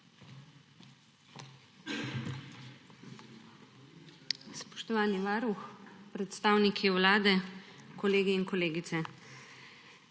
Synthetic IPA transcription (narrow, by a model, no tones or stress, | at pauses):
spɔ̥ʃt̪ɔʋaːniʋaːɾuxpɾɛt̪st̪aːwnikʰiwlaːd̪ɛkɔleːɡiːnkɔleːɡit̪sɛ